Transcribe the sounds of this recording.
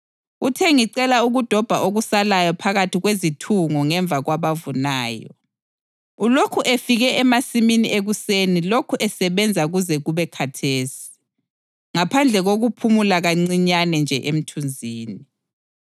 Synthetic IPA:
utʰɛŋiǀɛlauɣud̥ʱɔb̥ʱaʔoɣusalajɔpʰaɣatʰiɣwezitʰuŋɔŋɛɱb̪vʱaɣwaβavunaːjɔ̰ | ulokʰuʔefiɣɛʔɛmasiminiʔeɣusenilokʰuʔɛsɛβɛnd͡zʱaɣuzɛɣuβɛkʰatʰeːsi̥ | ŋapʰand͡ɮʱɛɣoɣupʰumulaɣaŋ͡ǀiɲanɛnd͡ʒʱɛʔem̩tʰund͡zʱiːni

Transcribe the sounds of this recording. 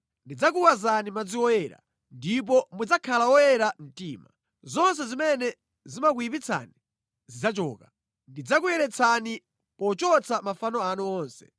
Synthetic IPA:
ndid͡zak̬uwazanimad͡ziwɔjɛɾa̰ | ndip̬ɔmud͡zakʰalawɔjɛɾam̩tiːma | zɔns̬ɛzimɛnɛ | zimakuip̬it͡sʰa̰ni | zid͡zat͡ʃɔːka | ndid͡zakujɛɾɛt͡sʰani | pɔt͡ʃɔt͡sʰamafanɔanɔɔːnsɛ̥

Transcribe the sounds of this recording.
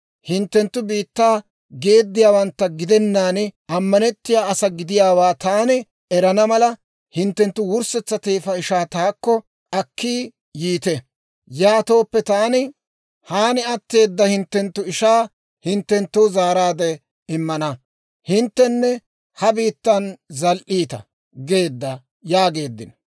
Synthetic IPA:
hɪnt̪ːɛnt̪ːʊbiːt̪ːaː | ɡe̞ːd̪ːɪjaːwɐnt̪ːɐɡɪd̪ɛnːaːnɪɐmːɐnɛt̪ːɪjaːɐsɐɡɪd̪ɪjaːwaːt̪aːnɪ | ɛɾɐnɐmɐlɐ | hɪnt̪ːɛnt̪ːʊwʊɾsɛt͡sːɐt̪eːfɐɪʃaːt̪aːkːɔ | ɐkʰːiː | jiːt̪ɛ | jaːt̪o̞ːpːɛt̪aːnɪ | haːnɪɐt̪ːe̞ːd̪ːɐhɪnt̪ːɛnt̪ːʊɪʃaː | hɪnt̪ːɛnt̪ːʊːzaːɾaːd̪ɛ | ɪmːɐnɐ | hɪnt̪ːɛnːɛ | hɐbiːt̪ːɐnzɐlʔiːt̪ɐ̰ | ɡe̞ːd̪ːɐ | jaːɡe̞ːd̪ːɪn

